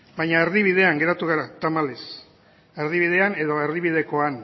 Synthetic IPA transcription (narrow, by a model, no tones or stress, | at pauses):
bajɲaeɾðiβiðe̞aŋɡe̞ɾat̪uɣ̞aɾat̪amales | eɾðiβið̞e̞ane̞ðo̞e̞ɾðiβiðe̞ko̞an